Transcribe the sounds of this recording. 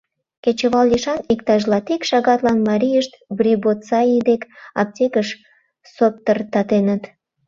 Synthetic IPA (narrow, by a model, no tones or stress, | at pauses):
ket͡ɕəβɑlːiʃɑnikt̪ɑʒlɑt̪ikʃɑɣɑt̪lɑnmɑɾʲijəʃt̪brʲibot͡sɑid̪ekɑp̚tʲekəʃ | sop̚t̪ərt̪ɑt̪enət̪